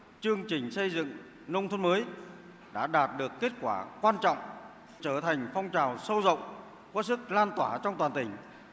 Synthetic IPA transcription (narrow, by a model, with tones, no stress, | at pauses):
t͡ɕɨ˧əŋt͡ɕï˨˩ŋ̟sə˧jzɨ̰˧˨ŋ | nə˧wŋ͡mt̪ʰə˧nməː˨˦j | ɗa̰ː˧˥ɗaː˨˩t̚ɗɨ˨˩əkːe˦˥t̚kwaː˧˩kwaː˧nt͡ɕɔ̰˧˨wŋ͡m | t͡ɕəː˧˩t̪ʰa˨˩jŋ̟fɔ˧wŋ͡mt͡ɕaː˨˩wsə˧wzə̰˧˨wŋ͡m | kɔ˧˦˥sɨ˦˥k̚laː˧nt̪waː˧˩t͡ɕɔ˧wŋ͡mt̪waː˨˩nt̪ï˧˩ŋ̟